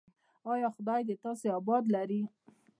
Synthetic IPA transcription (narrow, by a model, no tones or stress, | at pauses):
ɑjɑxʊd̪ɑjd̪et̪ɑseɑbɑd̪laɾi